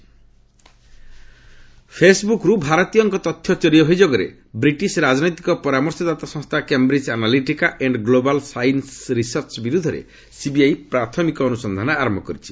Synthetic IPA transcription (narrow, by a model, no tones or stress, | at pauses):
pʰesbukɾubʱaɾɔt̪ijɔŋkɔt̪ɔt̪ʰjɔt͡ʃɔɾiɔɦojd͡ʒoɡɔɾḛ | bɾiʈisɾad͡ʒnɔjt̪ikɔpɔɾamɔɾsɔd̪at̪asɔ̃ŋst̪ʰakembɾid͡ʒanaliʈikaʔeɳɖɡlobalsajnsɾisɔɾt͡ʃɔbiɾud̪ʱɔɾḛ | sibiajpɾat̪ʰɔmikɔːnusɔnd̪ʱanɔaɾɔmbɔkɔɾit͡ʃʰi̥